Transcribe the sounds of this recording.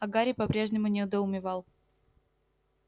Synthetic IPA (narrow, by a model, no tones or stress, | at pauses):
ɐɡaɾʲɪpɐpɾʲe̞ʐnʲɪmʊnʲɪʊd̪əʊmʲɪvɑlˠ